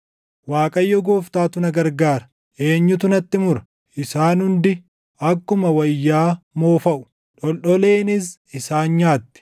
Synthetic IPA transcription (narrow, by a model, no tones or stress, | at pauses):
waːkʼɐjːɔɡoːft̪aːt̪ʊnɐɡɐɾɡaːɾɐ̥ | ʔe̞ːɲːʊt̪ʊnɐt̪ːɪmʊɾɐ | ʔɪsaːnhʊnd̪ɪ | ʔɐkːʊmɐwɐjːaːmoːfɐʔʊ̥ | ᶑɔlɗɔle̞ːnɪs̬ | ɪsaːnɲaːt̪ːɪ̥